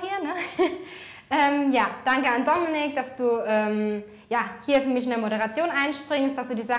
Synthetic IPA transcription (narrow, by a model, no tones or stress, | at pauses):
iːɐnə | ʔɛːmjaːd̥aŋkəandɔmɪnɪk̚d̥asd̥uːʔɛːm | jaːhiːɐfyɐmɪçɪnəmoɾəʁat͡sjoːnʔaɪnʃpʁ̥ɪŋst̚d̥asd̥uːdiːza